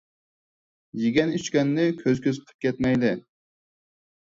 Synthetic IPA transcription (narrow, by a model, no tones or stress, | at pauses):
jeɡʲɛnyt͡ʃkʲɛnːɪkʲʰøzkʲøzqʰə̥p̚kʲʰɛt̪mɛjd̪ɪ